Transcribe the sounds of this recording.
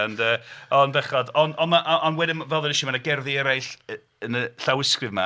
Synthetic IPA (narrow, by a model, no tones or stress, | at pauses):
ndəːɔnvɛχɔdɔnɔnmaʔɔʔɔnwɛdɪmvɛlˠənɪʃimanaɡɛrðiɛɾajɬə | ənəɬawɪskrɨvma̰